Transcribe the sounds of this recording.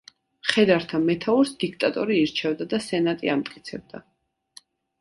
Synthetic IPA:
χɛd̪aɾt̪ʰamɛt̪ʰauɾsd̪̥ikʰt̪ʼat̪ʼɔɾiːɾt͡ʃʰɛvd̪ad̪asɛnat̪ʼiamt̪ʼkʼi̥t̪sʰɛb̚d̪a

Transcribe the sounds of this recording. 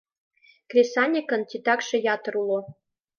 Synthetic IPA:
krʲesɑnʲekɤ̆nt̪ʲit̪ɑkʃĕjɑt̪ɤ̆ɾulˠo

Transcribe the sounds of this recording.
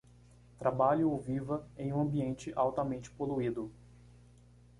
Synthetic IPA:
t̪ɾabaʎʊovivɐẽj̃ũɐ̃mbiẽnt͡ʃɪʔawt̪ɐmẽnt͡ʃɪ̥poluid̪ʊ

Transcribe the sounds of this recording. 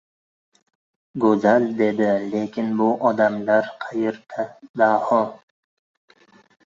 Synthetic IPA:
ɡɵzald̪e̞d̪ɪlekʲʰɪnbʊʔɒd̪amlaɾqʰɑjeɾt̪ʰd̪ahɒ

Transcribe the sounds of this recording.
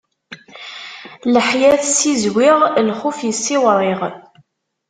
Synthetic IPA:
ləħjæθsizwiʁlχufjəsːɪwɾˤiʁ

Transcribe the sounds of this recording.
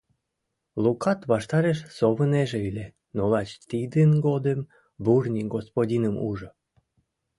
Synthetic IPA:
lukɑt̪βɑʃt̪ɑɾeʃsoβəneʒeylʲe | nolɑt͡ɕt̪id̪ənɡod̪əm | burnʲiɡospodʲinəmuʒo

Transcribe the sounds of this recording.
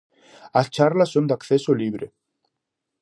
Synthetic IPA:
aðt͡ɕʰaɾlasœmd̪akθɛsɔliːvɾɪ

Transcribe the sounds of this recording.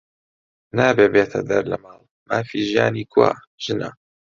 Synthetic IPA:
naːbeːbeːt̪ʰɐ̰d̪ɐɾlɐmɑːlˠ | maːfiːʒija̰ːniːkʰwa̰ː | ʒ̥ɨnɐ

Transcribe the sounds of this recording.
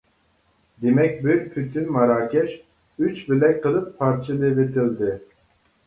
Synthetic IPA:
d̪emɛk̚ʲbiɾpʰyt̪ʰynmɑɾaːkʲɛʃ | yt͡ʃbilɛqʰɨlˠɯpʰːɑɾt͡ʃʰɨlˠɨvet̪ʰild̪ɪ

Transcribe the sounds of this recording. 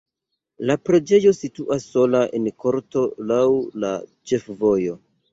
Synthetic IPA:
lapɾe̞d͡ʒe̞jo̞situʔasːo̞laʔḛnko̞ɾto̞lawla̰t͡ʃe̞fvo̞jo̞

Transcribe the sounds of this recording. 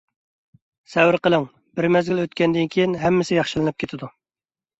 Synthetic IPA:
sɛwɪɾqəlˠɪŋ | bɪɾmɛzɡʲiløt̪kʲɛnd̪ɪnkʲʰijinɦɛmːɪsɪjɑχʃilˠɨnɨp̚kʲet̪ʰɪd̪u

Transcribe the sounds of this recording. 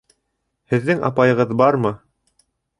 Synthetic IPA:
hɘ̆ðːɘŋɑ̰pɑjɤ̆ʁɤðbɑɾmɤ

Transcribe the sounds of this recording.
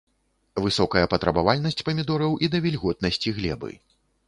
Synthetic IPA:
vɨsɔkɐjɐpɐt̪ɾɐbavalʲnɐsʲt͡sʲpɐmʲid̪ɔɾɐwʔid̪ɐvʲɛlʲɣɔt̪̚nɐsʲt͡sʲiɣlʲɛbɨ̰

